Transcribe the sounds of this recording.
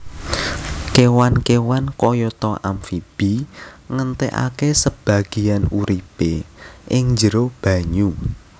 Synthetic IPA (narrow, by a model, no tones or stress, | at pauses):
kewankewankɔjɔt̪ɔʔa̰mfib̥iŋənt̪eʔa̰kesəb̥a̤ɡ̥i̤januɾipeʔɪŋɲd͡ʒəɾob̥ä̤ɲu